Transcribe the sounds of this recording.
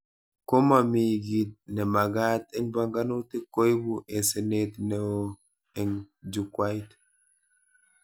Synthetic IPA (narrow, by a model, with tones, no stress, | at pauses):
ko˦ma˨mi˨ɡi˨t̚ne˨ma˨ɡa˦te˦nba˨ŋɡa˦no˦te˦ko˦jbu˦ʔe˨se˨ne˦tne˨o˦ | e˨ŋ | d͡ʒu˨kwa˦jt